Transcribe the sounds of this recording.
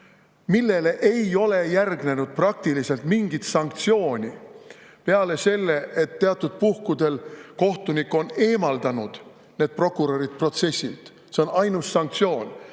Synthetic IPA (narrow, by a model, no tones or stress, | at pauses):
milːe̞le̞ʔe̞jo̞le̞jærɡne̞nud̪̥̚prɑk̚t̪ilise̞lt̪miŋɡ̥it̪sɑŋkt̪sio̞ːnʲipe̞ɑle̞se̞lːe̞ʔet̪ːeɑt̪ːˑud̪̥̚puhkud̪̥e̞lko̞ht̪unikːˑo̞ne̞ːmɑld̪̥ɑnud̪̥ | ne̞ːd̪̥̚pro̞kːˑuɾo̞ɾit̪pro̞t̪se̞sʲːilt̪ | seo̞nɑjnusːɑŋk̚t̪sʲo̞ːn